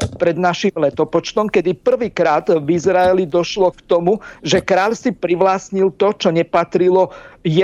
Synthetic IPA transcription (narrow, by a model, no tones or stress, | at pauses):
pɾɛd̪naʃimlɛt̪ɔpɔt͡ʃt̪ɔmkɛd̪ipr̩ʋiːkɾaːd̪vizɾaɛlid̪ɔʃlɔkt̪ɔmuʒɛkɾaːʎsipɾiʋlaːsɲilt̪ɔt͡ʃɔɲɛpat̪ɾilɔjɛ